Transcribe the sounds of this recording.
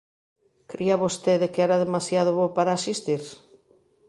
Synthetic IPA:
kɾiaβost̪eðekeɛɾaðemasjað̞ʊβopaɾaːsist̪iɾ

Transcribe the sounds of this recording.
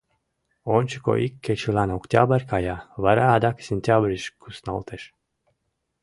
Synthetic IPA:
onʲt͡ʃiko̰ʔikʲʰːet͡ʃilanokt̪ʲabaɾʲkajavaɾaːd̪aksʲenʲt̪ʲabɾʲiʃkusna̰lˠt̪ʰeʃ

